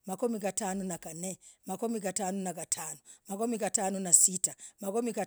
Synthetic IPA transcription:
makumikatanunakanɛmakumik̬atanunakatʰanumakɔmikatanunasitamakɔmika

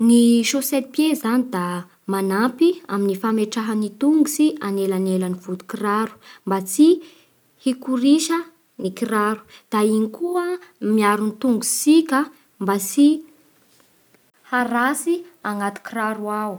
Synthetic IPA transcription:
niʃoset̪̚pjezanid̪a | manapia̰minifameʈ͡ʂaɦanit̪uŋɡusianelanelaniv̥ud̪u̥kiraɾu̥mbat͡si | hikuɾiʃə | nikiraɾu̥d̪̥ainikuəmiaɾunit̪uŋɡusikʲə | mbasi | haɾasiaŋat̪u̥kiraɾuaw

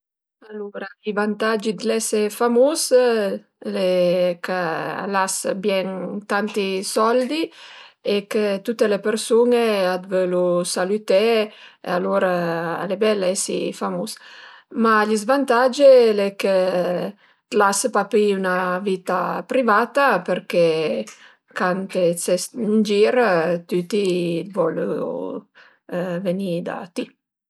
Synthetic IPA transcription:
aloɾaʎivant̪ad͡ʒid̪lɛsefamus | lekə̰lasbjɛŋt̪ant̪isɔld̪iekət̪ut̪ːelepeɾsunead̪vølusalyt̪ɛḛaloɾaalebɛlɛsḭfamusmaʎizvant̪ad͡ʒelekə | t̪lasəpapiunavit̪apɾivat̪apeɾke | kant̪et͡sɛst̪nd͡ʒiɾt̪yt̪ivɔlṵ | venid̪a̰t̪i

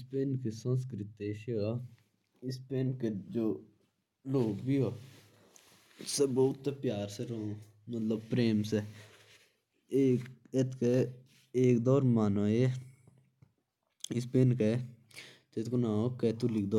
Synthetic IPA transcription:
ɪspeːnkesə̃ns̬kɾɪt̪eːʃa | ɪspeːnked͡ʒoː | loːɡbʱioː | seboːʊt̪ːepjaːɾseɾoõ | mət̪ləb̚pɾeːmse | eːket̪ke | eːk̚d̪ɔːɾmaːnoːe | ɪspeːnke | t̪et̪konãːoket̪ulɪk̚d̪oː

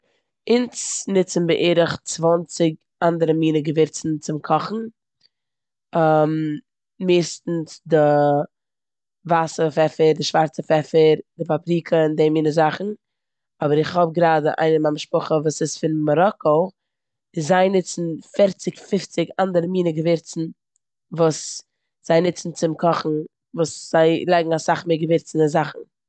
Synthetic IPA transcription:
ɪnt͡snɪt͡sn̩bɪʔeːɾəχt͡svɔnt͡sɪɡ | andəɾəmiːnəɡəvɪɾt͡sn̩t͡sɪmkʰɔχn̩ | am | meːstn̩sdɪ | vasəfɛfəɾdɪʃvaɾt͡səfɛfəɾdɪpapɾiːkəɪndemiːnəzaχn̩ | ɔbəɾɪχhɔb̚ɡɾaːdə̰ʔa̰ɪnəmamʃpʊχəvuːsɪsfɪnmɔɾɔkɔ | ɪszaɪnɪt͡sn̩fɪɾt͡sɪkfɪft͡sɪɡandəɾəmiːnəɡəvɪɾt͡sn̩ | vuːs | z̥aɪnɪt͡sn̩t͡sɪmkʰɔχn̩ | vuːsz̥aɪlˠaɪɡŋ̩asaχmeːɡəvɪɾt͡snɪzaχn̩

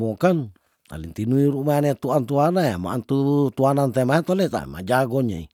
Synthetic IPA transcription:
mokan | t̪a̰lint̪inuiɾumajnet̪uant̪uanaja̰ma̰ant̪ut̪uanant̪emaet̪olet̪a̰ma̰d͡ʒaɡoɲa̰ḭ

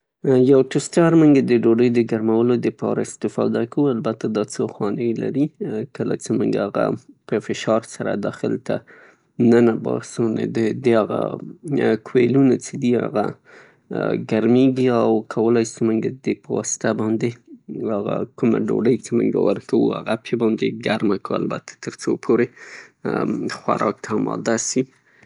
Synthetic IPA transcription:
jawʈʊstɑɾmuŋɡad̪əɖoɖəjd̪əɡaɾmawəlod̪əpɑ̰ɾaɪst̪ɪfɑ̰d̪akawualbat̪ad̪ɑt͡səxwɑnəjla̰ɾikəla̰t͡semuŋɡaaɣa̰pəfɪʃɑɾsaɾa̰d̪ɑxɪ̰lt̪a̰ | nanabɑ̰sunḛd̪əd̪əaɣa̰ | kwelunat͡sed̪ia̰ɣa̰ | ɡaɾmeɡiawkʰawəlajst͡ʃemuŋɡad̪d̪epəwɑsɪ̥t̪abɑnd̪eaɣa̰kʊma̰ɖo̰ɖəjt͡ʃemʊ̰ŋɡa̰wə̰ɾkʰawṵa̰ɣapʰebɑnd̪eɡaɾmakəa̰lbat̪ḁt̪əɾt͡sopʰoɾe | xwa̰ɾɑk̚t̪ʰaːmɑ̰d̪asi

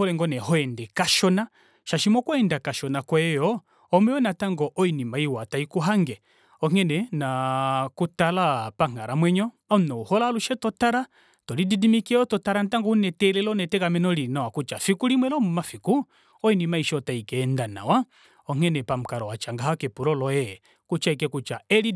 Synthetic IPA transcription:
ɔlɛŋɡɔnɛhɔɛndɛkaʃɔna | ʃaʃimɔkɔɛndakaʃɔnakwɛjɔ | ɔmɛwɛnataŋɡɔʔɔinimaiwataikuɦaŋɡɛ | ɔŋɛnɛnakutalapaŋ̥aɾamwɛɲɔ | amnɔuhɔlaluʃɛtɔtaɾa | tɔlididimikiɛɔtɔtaɾan̩taŋɡɔunɛtɛlɛlɔnɛtɛkamɛnɔlinawakut͡ʃafikuɾimwɛlɔmumafiku | ɔinimaiʃɔtaikɛːndana̰wa | ɔŋ̥ɛnɛpam̩kaɾɔwat͡ʃaŋɡaɦakɛpuɾɔlɔjɛ | kut͡ʃaikɛkut͡ʃaɛɾi

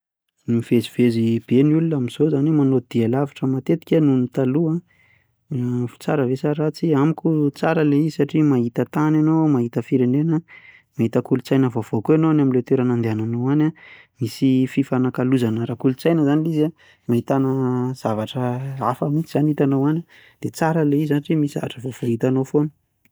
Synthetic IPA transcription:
nimiveziv̥ezib̥enulunamiz̥ozanemanod̪̥ialavḁʈ͡ʂəmat̪et̪i̥kʲanumit̪alua | fi̥t͡saɾəvesaɾat͡siamikʲut͡saɾəleisaʈ͡ʂimaɦit̪ət̪ananomaɦit̪əfiɾenenə | maɦit̪əkulut͡sajnəvov̥okuanoanaminlet̪eɾanand̪eananowana | misififanakaluzanəɾakulut͡sajnəzaniliza | maɦit̪anəz̥avaʈ͡ʂəafəmint͡siz̥aniit̪anowanʲa | d̪̥et͡saɾəleizaniʈ͡ʂimisiza̰vaʈ͡ʂəvovoɦit̪anofonu̥

